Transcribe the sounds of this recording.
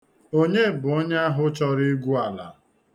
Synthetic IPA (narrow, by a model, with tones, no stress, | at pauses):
o˦ɲe˦˨bʊ˨ɔ˦ɲa˦a˦ɦʊ˦t͡ʃɔ˦ɾɪ˦ɡʷu˦a˨la̰˨